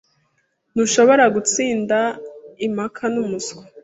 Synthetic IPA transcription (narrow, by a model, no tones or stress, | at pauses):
nuʃo̞βo̞ɾaɡut͡siːndaimhakʰanumuske